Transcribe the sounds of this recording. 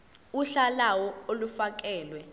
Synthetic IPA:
uɬalawɔolufak̬ʼɛːlwɛ

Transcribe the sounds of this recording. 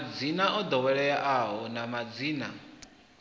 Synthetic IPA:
d͡zinaʔɔd̪ɔwɛɺɛjaʔaɦɔnamad͡ziːna̰

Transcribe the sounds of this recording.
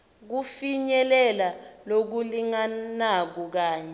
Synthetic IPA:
k̬ufiɲɛlɛlalok̬uliŋanak̬uk̬aːɲɛ

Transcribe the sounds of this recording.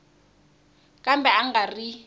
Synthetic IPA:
kʼambɛaŋɡari

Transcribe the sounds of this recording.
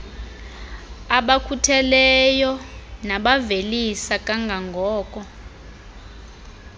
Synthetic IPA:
aɓakʰutʰɛlɛjɔnaɓavelisakʼaŋɡʱaŋɡʱɔːkʼɔ

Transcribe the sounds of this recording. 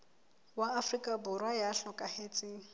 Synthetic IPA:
waːfrikʼabʊrwajaɬɔkʼahet͡sʼɪːŋ̩

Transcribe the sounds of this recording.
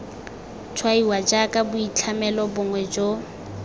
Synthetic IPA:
t͡ʃʰwaiwad͡ʒakʼabʊit͡ɬʰamɛlɔbʊŋwɛd͡ʒo

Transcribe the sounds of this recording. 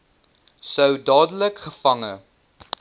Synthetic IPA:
səwdɑːdələkχəfɐŋə

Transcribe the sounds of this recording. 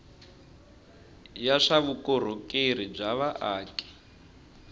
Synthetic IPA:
jaʂaβukɔɾ̤okʼeɾ̤ib͡ʐaβaʔaːkʼɛ̥

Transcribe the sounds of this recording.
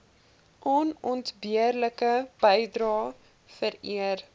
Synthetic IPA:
ʔɔnɔntbiərləkəb̥əjdɾɑː | fəɾiər

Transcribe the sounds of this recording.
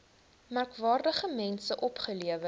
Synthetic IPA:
mærkvɑːrdəχəmɛnsəʔɔpχəliəvə

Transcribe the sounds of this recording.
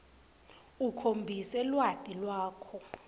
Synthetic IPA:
ukʰombʱisɛlwad̥ʱʼilwaːkʰɔ

